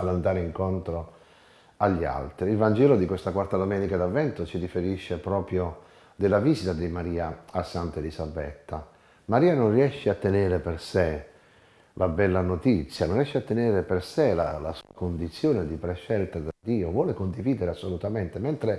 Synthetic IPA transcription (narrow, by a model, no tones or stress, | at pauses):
alːand̪aːɾeiŋkont̪ɾo | aʎːia̰lt̪ɾiːlvand͡ʒɛːlod̪ikwest̪akwart̪ad̪omɛːnikad̪avːɛnt̪ʊt͡ʃidifeɾiʃːepɾɔːpɾjo | d̪elːaviːsit̪ad̪imaɾiːaasːant̪elizabɛ̰t̪ːa | maɾiːanonriɛʃːeat̪ːeneːɾeperse | lʔabɛlːanot̪it̪sːjanonriɛʃːeat̪ːeneːɾeperselala̰sṵːakond̪it̪sːjoːned̪ipɾeʃːɛlt̪ad̪ad̪ːiːovwɔːlekond̪iviːd̪eɾeasːolut̪ament̪ement̪ɾe